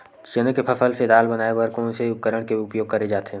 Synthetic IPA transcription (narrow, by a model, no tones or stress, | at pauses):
t͡ʃənəkepʰəfʰəlsed̪aːlbənaːebɐɾkõseʊpkəɾəɽ̃keʊpjoːɡ̚kɐɾed͡ʒaːt̪eɦ